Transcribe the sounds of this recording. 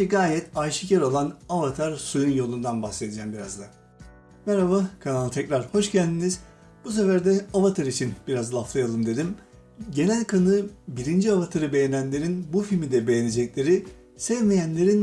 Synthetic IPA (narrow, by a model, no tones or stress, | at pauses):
ɛɡaːjɛt̪ʰajʃɯ̥cæɾo̞lˠanavat̪ʰaɾsujunjo̞lˠund̪anbaxse̞d̪id͡ʒɛmbiɾazd̪ˠa | mɛɾavakʰanalˠɯt̪ʰɛcɾaɾho̞ʃcælʲd̪iniz̥ | b̥us̬efæɾd̪ɛavat̪ʰaɾit͡ʃʰinb̥iɾazlˠaːflˠajalˠɯmd̪e̞d̪im | ɟe̞nælʲkʰanɯbiɾind͡ʒiavat̪ʰaɾɯbe̞jenænlʲe̞ɾinbufilʲmid̪ɛbe̞jened͡ʒɛclʲe̞ɾi | sɛvmejænlʲe̞ɾin